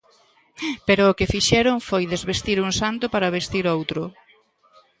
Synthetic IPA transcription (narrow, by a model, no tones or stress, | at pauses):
peɾʊːkɪfiʃɛɾʊŋfojðezβest̪iɾuŋsant̪ʊpaɾɐβest̪iɾowt̪ɾʊ